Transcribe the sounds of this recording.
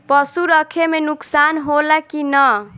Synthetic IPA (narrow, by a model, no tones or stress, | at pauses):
pʌsuɾʌkʰemenʊksanɦolakinʌ